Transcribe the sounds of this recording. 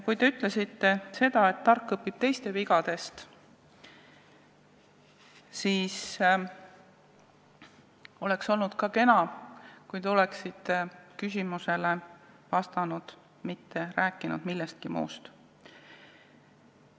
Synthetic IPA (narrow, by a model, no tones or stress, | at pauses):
kujt̪e̞yt̪ːˑle̞sit̪ːe̞se̞d̪ɑe̞t̪ːɑrkːɤpːib̥̚t̪e̞jst̪e̞viɡ̥ɑd̪̥e̞st̪ | siːs | o̞le̞kso̞lnud̪̥kɑke̞nɑkujt̪e̞o̞le̞ksit̪ːe̞kys̬ʲimuse̞le̞ | vɑst̪ɑnud̪̥ | mit̪ːe̞ɾæːkːˑinṵd̪̥milːest̪̚kimṵːst̪